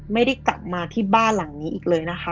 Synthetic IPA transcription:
ma˥˩jda˥˩jka˨˩p̚maː˧t̪ʰiː˥˩baː˥˩nla˨˩˦ŋniː˦˥ʔiː˨˩k̚lɤː˧jna˦˥xʰa˦˥

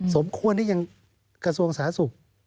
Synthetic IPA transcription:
so˩˦mkʰu˧əntʰiː˥˩ɲa˧ŋ | kɾa˧su˧əŋsaː˩˦nsu˨˩k̚

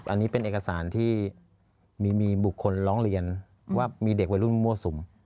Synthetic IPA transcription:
ʔa˧nːiː˦˥pe˧nʔeː˨˩ka˧saː˩˦nt̪ʰiː˥˩ | miː˧miː˧bu˨˩kʰːo˧nɾɔː˦˥ŋɾi˧ən | waː˥˩miː˧de˨˩k̚wa˧jɾu˥˩n˧mːu˧˩so˩˦m

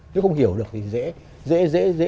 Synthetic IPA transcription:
ne˨˦wxə˧wŋ͡mhi˧˩əwɗɨ˨˩ək̚t̪ʰi˨zɛ̰˧˥ | zɛ̰˧˥zḛ˧˥zḛ˧˥

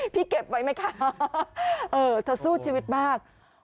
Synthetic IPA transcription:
pʰi˧˥ke˨˩p̚və̰˧˨˦jma˧˩jkʰaː˧˩ | ʔəː˨˩t̪ʰə˨˩su˧˥t͡ɕi˨˧˨vwi˨˩ət̚ɓaː˧˩k̚

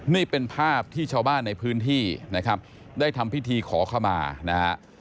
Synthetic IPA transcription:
ni˥˩pe˧npʰaː˥˩p̚t̪ʰiː˥˩t͡ɕʰaː˧wbaː˥˩nːa˧jpʰɯː˦˥nt̪ʰiː˥˩na˦˥kʰa˦˥p̚ | daː˥˩jt̪ʰa˧mpi˦˥˩t̪ʰiː˧kʰɔː˩˦kʰa˥˩wma̰ː˧na˦˥ha˦˥ʔ

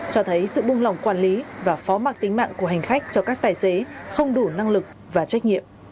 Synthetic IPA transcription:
t͡ɕɔ˧t̪ʰə˨˦jsɨ̰˧˨ɓʊ˧ŋ͡mla˨˩wŋ͡mkwaː˧˩nli˨˦vaː˨˩fɔ˨˦maː˨˩k̚t̪ï˨˦ŋ̟ma̰ː˧˨ŋku˧˩əɦa˨˩ŋ̟xa˦˥k̚t͡ɕɔ˧kaː˦˥k̚t̪aː˨˩jse˨˦xə˧wŋ͡mɗu˧˩na˧ŋlɨ˨˩k̚ | vaː˨˩t͡ɕa˦˥k̟̚ŋḭ˧˨əm

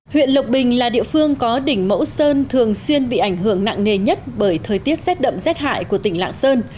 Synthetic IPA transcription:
hwḭ˧˨ənlə˨˩wk͡p̚ɓï˨˩ŋ̟laː˨˩ɗḭ˧əfɨ˧əŋkɔ˨˦ɗï˧˩ŋ̟mə̰˧˥wsəː˧nt̪ʰɨ˨˩əŋswi˧ənɓḭ˧˨ʔa˧˩jŋ̟ɦɨ˧˩əŋna̰˧˨ŋne˨˩ɲə˦˥t̚ɓəː˧˩jt̪ʰəː˨˩jt̪i˦˥əp̚sɛ˦˥t̚ɗə̰˧˨mzɛ˦˥t̚ha̰ː˧˨jku˧˩ət̪ï˧˩ŋ̟la̰ː˧˨ŋsəː˧n

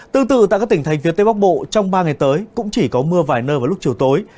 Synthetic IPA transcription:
t̪ɨ˧əŋt̪ɨ̰˧˨t̪a̰˧˨kaː˦˥k̪̚t̪i˧˩ŋ̟t̪ʰa˨˦jŋ̟vi˨˦ət̪e˧˦ɓa˦˥k̚ɓo̰˧˨t͡ɕɔ˧wŋ͡mɓaː˧ŋa˨˩jt̪əː˨˦jkʊ̰˧˥ŋ͡mt͡ɕi˧˩kɔ˨˦mɨ˧əvaː˨˩jnəː˧vaː˨˩lk͡p̚t͡ɕi˨˩əwt̪o˨˦j

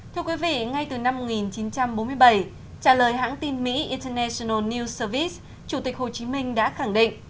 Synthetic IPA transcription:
t̪ʰɨ˧əkwi˨˦vḭ˧˨ŋa˧jt̪ɨ˨˩na˧mːo˨˩ŋi˨˩nt͡ɕi˨˦nt͡ɕa˧mɓo˨˦mɨ˧əjɓa˧˩j | t͡ɕaː˧˩ləː˨˩jɦa̰ː˧˥ŋt̪i˧nmḭ˧˥ʔi˧ntə˧nɛ˧si˧nə˧˩ni˧səː˧vi˦˥s | t͡ɕu˧˩t̪ï˨˩k̚ho˨˩t͡ɕi˨˦mï˧ŋ̟ɗa̰ː˧˥xa˧˩ŋɗḭ˧˨ŋ̟

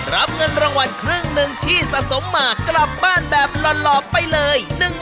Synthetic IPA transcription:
ɾa˦˥p̚ŋɤ˧nɾa˧ŋwa˧nkʰɾɯ˥˩əŋnɯ˧ŋt̪ʰiː˥˩sa˨ʔso˩˦mːaː˨˩kːla˨˩p̚baː˥˩nbɛː˨˩p̚lɔ˨˩n̚lɔː˨˩p̚pːa˧jlɤː˧jnɯ˨˩ŋ

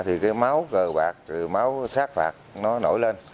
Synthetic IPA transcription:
t̪ʰi˨˩kaː˨˦jma˨˦wkəː˨˩ɓaː˨˩k̚tɨ˨˩ma˨˦wsaː˦˥k̚fa̰ː˨˩k̚nɔ˨˦no̰˧˩jle˧n

